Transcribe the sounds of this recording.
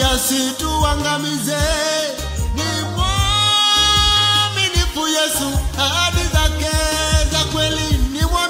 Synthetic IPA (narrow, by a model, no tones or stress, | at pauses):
asituwaŋɡamizɛ | nimwɔ | minifujɛsuaaɓizakɛzakwɛlinimwa